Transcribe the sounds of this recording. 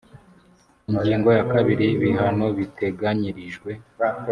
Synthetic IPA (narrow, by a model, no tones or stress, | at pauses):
iɲɟiːŋɡo̞jakaβiɾiβiɦano̞βite̞ɡaɲiɾiʒɡwe̞